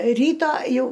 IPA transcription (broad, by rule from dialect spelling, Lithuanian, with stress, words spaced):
ˈrʲiːtoː ˈjɛʊ